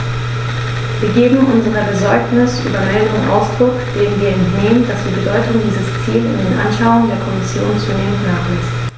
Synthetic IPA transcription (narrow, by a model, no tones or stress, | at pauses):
viːɐɡeːbm̩ʔʊnzəʁəbəzɔɐknɪsʔy̰ːbɐmɛləʁəmʔa̰ʊsd̥ʁʊkd̥eːənviːɐɛntneːmənd̥asv̥iːɐbədɔʏtʊŋdiːzəst͡siːlʊ̰ndeːnʔa̰nʃaʊʊŋəndeːɐkʰɔmɪsjoːnt͡suneːmənnːaːχlɛst